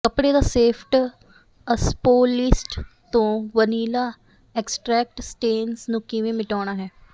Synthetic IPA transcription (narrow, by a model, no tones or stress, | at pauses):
kəpɽed̪aːseːpʰʈ | əspoːlɪsʈt̪õːʋəniːlaː | ɛksʈɾɛːk̚ʈsʈeːnsnũkiʋẽmɪʈaːɽ̃aːɦɛː